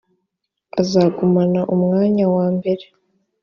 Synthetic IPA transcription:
azaːɡomanaʔumŋaːɲawaːmbe̞ɾe

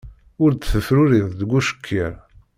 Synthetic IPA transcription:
ʊɾd̪θəfɾʊɾiðˤd̪əɡʷːuʃə̥kʰːiɾ

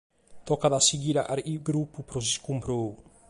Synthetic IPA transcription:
t̪ɔkaðasiɡiɾaʔaɾiɡɾupupɾɔsiskumpɾow

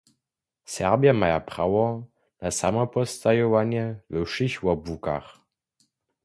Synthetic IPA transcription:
sɛʁbjamajapχawɔ | nasamɔpɔst̪ajɔwanjɛlɔʃiɕwabuka̰ʁ

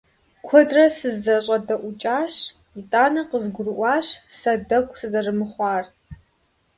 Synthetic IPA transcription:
kʷʰɔdrɐsɨzːɐɕʼɐdɐʔʷʊt͡ʃʼaːɕ | itʼaːnɐqəzɡʷʊrɨʔʷɑːɕsɐdɐkʷʰʼsɨzɐrɨmɨχʷɑːr

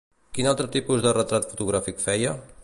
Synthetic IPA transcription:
kinalˠt̪ɾət̪ipuzðərət̪ɾat̪fu̥t̪uɣ̞ɾafikfɛjə

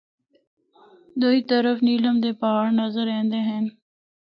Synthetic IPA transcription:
d̪oit̪əɾəfniːləmd̪epaːɽnɐzəɾẽːnd̪eɦẽːn

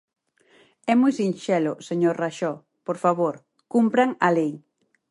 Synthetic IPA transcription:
ɛmujsinʃɛlʊseɲoɾraʃɔ | poɾfaβoɾ | kumpɾaŋalej

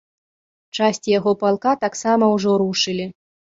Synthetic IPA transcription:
t͡ʂasʲt͡sʲijaɣɔpalˠkat̪aksamɐwʐɔɾuʂɨlʲi

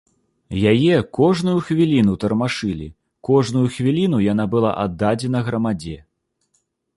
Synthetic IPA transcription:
jajɛkɔʐnujuxvʲilʲinut̪ɐrmaʂɨlʲḭ | kɔʐnujuxvʲilʲinujan̪abɨlˠa̰ʔad̪ːad͡zʲɛnɐɣɾɐmad͡zʲɛ

